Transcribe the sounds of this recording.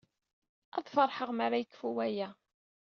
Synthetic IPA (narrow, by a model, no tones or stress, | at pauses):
æðˤfɑɾˤħəʁmaɾajəkːfuwæjæ